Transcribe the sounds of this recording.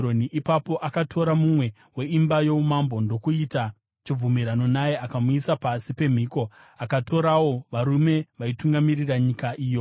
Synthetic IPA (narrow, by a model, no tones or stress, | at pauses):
oniʔipapo̞ʔakatʰo̞ɾamumwe̞ | we̞imbajo̞umambo̞ndo̞kuita | t͡ʃib͡vvumiɾano̞najeakamuisapasipe̞m̤iːko̞ | akatʰo̞ɾawo̞ʋaɾume̞ʋaituŋɡamiriraɲikaʔiːjo̞